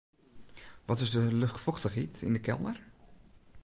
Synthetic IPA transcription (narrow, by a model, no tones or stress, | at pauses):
ʋɔtɪzdəlʏxtfɔxtəχitɪ̰ndəkʰɛ̰lˠnər